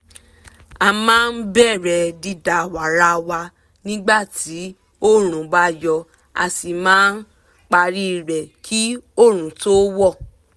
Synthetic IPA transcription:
a˧mãː˦˧n̩˦bɛ˦˨ɾɛ˨˧di˧da˨wa˨ɾa˧wa˧ | nĩ˦ɡ͡ba˦˨ti˨˦ | o˦ɾ̃ũ˨ba˦jɔ˧ | a̰˧si˨mãː˦n̩˦ | k͡pa˧ɾi˦˨ɾɛ˨kʰi˦o˦˨ɾ̃ũ˨˦to˦wɔ˦˨

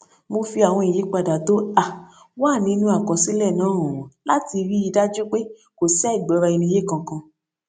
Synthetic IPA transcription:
mo˧fi˧a˨w̃ɔ̃˧i˨ji˨˦k͡pa˧da˨to˦a˨ | waː˦˨nĩ˧˦nũ˧˦a˦˨kɔ̃˨si˨˦lɛ˦˨nãː˨˦ɔ̃˨w̃ɔ̃˨la˦ti˧ɾi˦i˧da˦d͡ʒu˦k͡pe˦ | ko˨sɛ˦i˦˨ɡ͡bɔ˨˦ɾa˧i˧nĩ˧˦je˦kã˧kã˧

